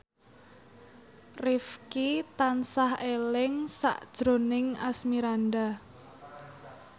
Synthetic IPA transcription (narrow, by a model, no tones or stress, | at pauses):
rifkit̪ansahelɪŋsa̰ʔd̥ʒ̥ɾo̤nɪŋasmiɾanɖa